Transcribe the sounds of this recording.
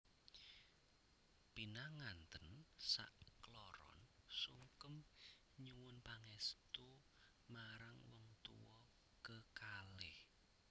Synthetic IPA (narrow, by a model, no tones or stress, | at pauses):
pinaŋant̪ənsa̰ʔklɔɾɔ̰nsuŋkəm | ɲuwʊnpaŋɛst̪u | maɾaŋwɔŋt̪ṵwɔ | kəkalɪh